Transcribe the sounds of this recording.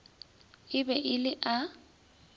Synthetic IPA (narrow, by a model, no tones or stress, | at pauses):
ɪbɛʔɪlɪʔa